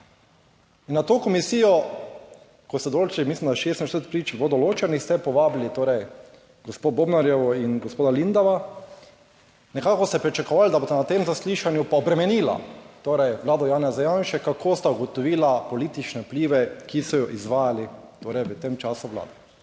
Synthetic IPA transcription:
inːat̪oːkɔmisiːjɔ | kɔst̪ɛd̪olt͡ʃimislimd̪aʃest̪nast̪ət̪̚pɾiːt͡ʃbod̪ɔloːt͡ʃɛnist̪ɛpɔʋaːblit̪oːɾɛj | ɡospoboːbnaɾjɛʋɔinɡospoːd̪alind̪aʋa | nɛkaːkɔst̪ɛpɾit͡ʃakɔʋald̪abost̪ɛnat̪emzasliːʃanjupaɔbɾɛmɛniːla̰t̪oːɾɛjʋlaːd̪ɔjaːnazajãnʃɛkakʰoːst̪auɡɔt̪ɔʋiːlapɔliːt̪it͡ʃnɛupliːʋɛkʰisɔjɔʔizʋaːjalit̪oːɾɛjʋət̪emt͡ʃaːsuʋla̰ːd̪ɛ

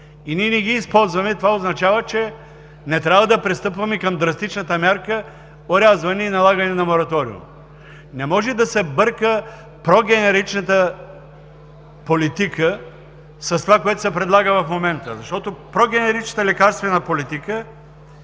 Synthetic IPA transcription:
iniɛnɛɡiːspɔlˠzvɐmɛt̪ovaoznɐt͡ʃavət͡ʃɛ | nɛt̪ɾʲavvɐd̪ɐpɾɛst̪ɤpvɐmɛkɐmd̪ɾɐst̪it͡ʃnət̪əmjaɾkə | oɾʲazvɐnɛinɐlˠaɡɐnɛnɐmoɾɐt̪ɔɾḭṵm | nɛmɔʒɛd̪ɐsɛbəɾkə | pɾɔɡʲɛnɛɾit͡ʃnət̪ə | polit̪ikə | sɐst̪ovakoɛt̪o̥sɛpɾɛd̪lˠaɡəvɐfmomɛnt̪əzɐʃt̪ɔt̪opɾɔɡʲɛnɛɾit͡ʃnət̪əlɛkaɾst̪vɛnɐpolit̪ikə

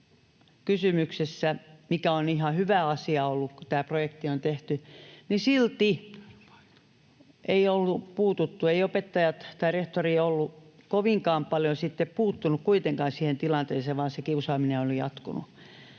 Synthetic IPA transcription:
kysymyksesːæmikæonihɑhyʋæɑsiɑolːukkut̪æːprojekt̪iont̪eht̪ynisilt̪i | ʔeiolːupuːt̪ut̪ːueiopet̪ːɑjɑt̪t̪ɑireht̪oriːolːu | koʋiŋkɑːmpɑljosit̪ːeppuːt̪ːunukkuit̪eŋkɑːnsiːhent̪ilɑnt̪eːseːʋʋɑːnsekiusɑːmineolijɑ̰t̪kṵnṵ

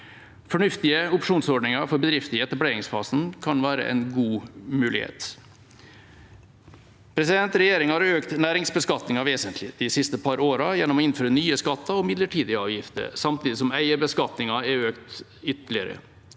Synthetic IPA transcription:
fɔɳʉft̪ɪəʊpʂuːnsɔɖɳɪŋɑɾfɔɾbəd̪ɾɪft̪ɪɛt̪ɑbleːɾɪŋsfɑːsn̩kʰɑnʋæːɾə̰ʔɛ̰nɡuːmʉːlɪ̰hḛːt̪ | pʰɾɛsɪd̪ɛnt̪ɾɛjeːɾɪŋhɑɾøːkt̪næːɾɪŋsbəskɑt̪nɪŋɑʋeːsənt̪ʰlɪd̪ɪsɪst̪əpʰɑɾoːɾɑjɛnːɔmɔɪnføːɾənyːəskɑt̪ːɑɔmɪd̪ləʈʰiːd̪ɪɑːʋjɪft̪ə̰ɾsɑmt̪iːd̪ɪs̬ɔmæɪəbəskɑt̪nɪŋɑɛøːkt̪ | ʏt̪lɪəɾə̰

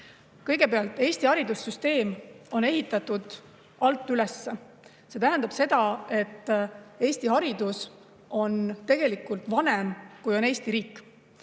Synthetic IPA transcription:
kɤ̞jɡ̥e̞peɑlt̪ːˑe̞ːst̪ihɑɾid̪usːyst̪e̞ːmo̞ne̞ɦit̪ːˑɑt̪ːud̪̥ | ɑlt̪ˑːyle̞sːe̞ | se̞t̪æɦænd̪̥ɑb̥se̞d̪̥ɑe̞t̪ːe̞ːst̪iɦɑɾid̪us | ʔo̞nt̪e̞ɡe̞likːˑult̪vɑne̞mkujo̞ne̞ːst̪iɾiːkːˑ

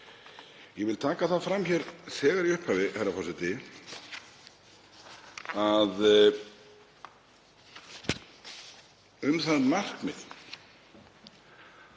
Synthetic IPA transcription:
jɛvɪlt̪ʰaːkaθaðfɾamçɛɾsɛːɣaɾiʏhphaːvɪhajɾafɔsɛt̪ɪ | að | ʏmθaðnmar̥kmɪð

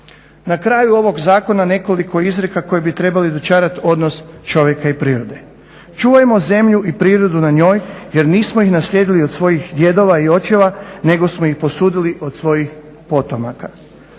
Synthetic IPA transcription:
nakɾaːjuo̞ʋo̞ɡzaːko̞nane̞ko̞liko̞izɾekako̞jebit̪ɾe̞balid̪ot͡ʃaːɾat̪o̞d̪no̞st͡ʃo̞ʋjekaipɾiːɾod̪e̞ | t͡ʃuːʋajmo̞ze̞mʎuʔipɾiːɾo̞d̪unaɲo̞ːjje̞ɾniːsmojixnaslʎʲe̞d̪iliod̪sʋo̞jixd̪je̞d̪o̞ʋaio̞t͡ʃeʋane̞ɡo̞smoixpo̞suːd̪iliʔo̞d̪sʋo̞jix | po̞t̪o̞maka

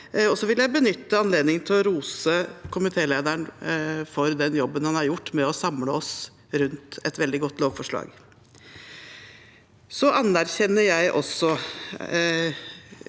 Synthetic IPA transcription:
ɔsɔʋɪljæɪbənʏt̪ːəɑnleːd̪nɪŋnt̪ʰɪlɔɾuːsəkʰʊmɪt̪ʰeːleːd̪əɳfɔɾd̪ɛnjɔbːənhɑnhɑɾjʊʈːmɛɔsɑmləɔs | ɾʉnt̪ɛt̪ʋɛld̪ɪɡɔt̪ːloːʋfɔʂɭɑ̰ːɡ | sɔʔɑnːæɾçɛnːəɾjæɪʔɔ̰sːɔ

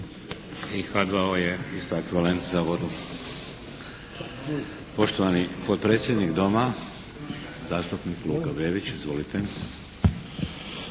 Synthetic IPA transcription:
ixad̪ʋaoje̞ist̪oekʋiʋale̞nt̪zaʋo̞d̪u | po̞ʃt̪oʋanipo̞t̪̚pɾet̪sʲje̞d̪nikd̪o̞ma | zaːst̪upnikluɡabe̞ːʋit͡ɕizʋo̞lit̪e

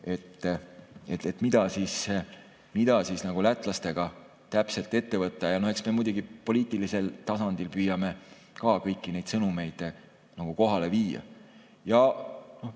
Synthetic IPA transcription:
e̞t̪ːet̪et̪ˑmid̪̥ɑsiːs | mid̪̥ɑsisnɑɡ̥ulæt̪ːˑlɑst̪e̞ɡ̥ɑ | t̪æpse̞lt̪ˑːe̞t̪ːe̞vɤt̪ːˑɑjɑno̞he̞ksme̞mujd̪uɡ̥ipo̞lʲiːt̪ˑilise̞lt̪ɑsɑnd̪̥ilpyːjɑme̞ | kɑːkɤjkːine̞jd̪sɤnume̞jd̪̥ | nɑɡ̥uko̞ɦɑle̞viːjɑ̰ | jɑno̞h

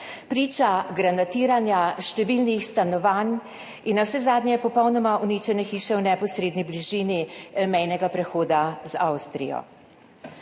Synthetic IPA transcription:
pɾiːt͡ʃaɡɾanat̪iːɾanjaʃt̪ɛʋiːlnixst̪anɔʋaːn | inːawsɛzaːd̪nʲjɛpɔpɔwnɔmaʔunit͡ʃɛnɛxiːʃɛwnɛpɔsɾeːd̪nibliʒiːnimɛjnɛɡapɾɛxoːd̪azawst̪ɾḭjɔ̰

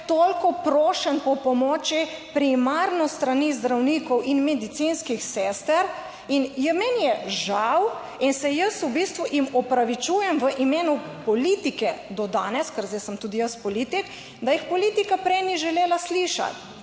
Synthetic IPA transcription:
t̪olkɔpɾoːʃənpɔpɔmɔːt͡ʃipɾimaɾnɔst̪ɾanizd̪ɾawnikɔwʔinmɛd̪it̪sinskixseːst̪ɛɾ | injəmɛnjɛʒaw | insɛjəsubist̪ʋuʔimɔpɾaʋit͡ʃujɛmʋəʔimeːnu | pɔlit̪ikɛd̪ɔd̪aːnɛskəɾzɛsəmt̪uːd̪ijəspɔlit̪ik | d̪ajixpɔliːt̪ikapɾɛjniʒɛleːlasliʃa̰t̪

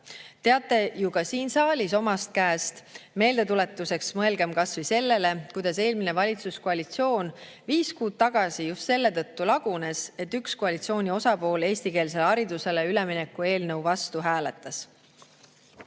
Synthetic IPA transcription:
t̪e̞ɑt̪ˑːe̞juɡ̥ɑsiːnsɑːlʲiso̞mɑst̪̚kæːst̪me̞ːld̪et̪ule̞t̪ːˑuse̞ksmɤelɡ̥e̞mkɑsvise̞lːe̞le̞kujd̪̥ɑse̞ːlmine̞vɑlʲit̪suskoɑlʲit̪sio̞ːn | viːskuːd̪̚t̪ɑɡ̥ɑsijust̪se̞lːe̞t̪ɤt̪ːulɑɡ̥une̞se̞t̪ːykskoɑlʲit̪sio̞ːnʲio̞sɑpo̞ːle̞ːsʲt̪ike̞ːls̬e̞lɑɾid̪use̞le̞ylemine̞kːˑue̞ːlnɤwvɑst̪uɦæːle̞t̪ːˑɑs

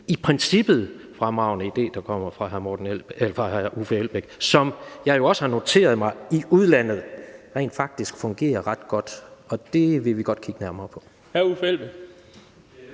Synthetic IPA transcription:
ipʰʁɛnsib̥ð̩ˠ | fʁɑmɑ̈ʊnəid̥e̝̰ːd̥ɑ̈kʰɒ̽m̰ɐfʁɑ̈ɦæɐmɒːd̥n̩efɑ̈ʔufəel̰b̥eɡ̥sɒ̽mjɑ̈ɪjo̝ɒ̽səhɑ̈no̝t͡sʰe̝̰ːɐð̞̩ˠmɑ̈ɪiʔuð̞ˠlæn̰ð̞̩ˠʁɛ̰ːnd̥fɑ̈ɡ̥̚d̥isɡ̥fɔ̽ŋɡ̥e̝̰ːɐʁɑ̈d̥ɡ̥ɒ̽d̥ɒ̽d̥e̝ʋe̝ʋiɡ̥ɒ̽d̥kʰiɡ̥ənæɐmɐːpʰɒ̽ | hæufelb̥e̥

